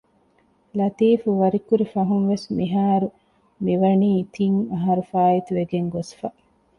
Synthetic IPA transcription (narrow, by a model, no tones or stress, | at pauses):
lɐt̪iːfuʋɐɾikuɾifɐɦunʋesmiɦaːɾu | miʋɐniːt̪ʰiŋɐɦɐɾufaːjit̪uʋeɡeŋɡosfɐ